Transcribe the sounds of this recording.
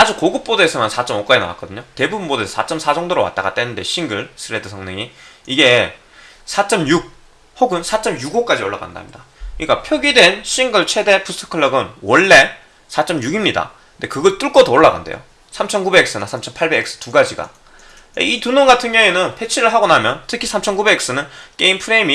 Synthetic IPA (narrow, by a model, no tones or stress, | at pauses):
ad͡ʑukoɡɯp̚p͈odʌesʰɯmansʰat͡ɕ͈ʌmok͈ad͡ʑina̰wa̰k͈ʌdɯɲote̞bubunbodʌesʰsʰat͡ɕ͈ʌmsʰad͡ʑoŋdoɾowa̰t͈a̰ɡa̰t͈we̞nːɯnde̞̰ɕʰiŋɡɯɭsʰɯɾe̞dɯsʰʌŋnɯŋiiɡe̞ | sʰat͡ɕ͈ʌmjuɡ̚ | hoɡɯnsʰat͡ɕ͈ʌmjuɡok͈ad͡ʑioɭːa̰ɡa̰nda̰mɲida | ɯik͈apʰjʌɡidwe̞nɕʰiŋɡɯɭt͡ɕʰe̞de̞pustʰɯ̥kʰɯɭːʌɡɯnwʌɭːe̞ | sʰat͡ɕ͈ʌmjuɡimɲida̰ | ɯnde̞kɯɡʌɭt͈uɭk͈ʌdooɭːaɡa̰nde̞̰jo̰ | sʰamt͡ɕʰʌnkube̞ks͈ɯnasʰamt͡ɕʰʌnpʰaɭbe̞ɡeks͈ɯ̥tuɡad͡ʑiɡa̰ | ḛitunoŋɡatʰɯŋjʌŋenɯnpʰe̞t͡ɕʰiɾɯɭɦaɡonamjʌntʰɯkʰisʰamt͡ɕʰʌnkube̞eks͈ɯnɯnk͈eimpʰɯɾe̞imi